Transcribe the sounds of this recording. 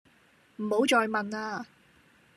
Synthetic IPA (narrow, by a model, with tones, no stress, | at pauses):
m̩˨˩ho˨˥wt͡ʃɔː˧jmɐ˨naː˧